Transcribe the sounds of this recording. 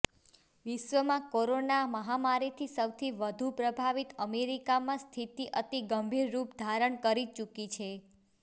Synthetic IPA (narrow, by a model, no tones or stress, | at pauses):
ʋɪʃʋəmãkoɾonaməɦamaɾit̪ʰisəwt̪ʰiʋəd̪ʱupɾəbʱaʋit̪əmeɾikamãst̪ʰit̪iʔət̪iɡəmbʱiɾːupd̪ʱaɾəɳkəɾit͡ʃukit͡ʃʰe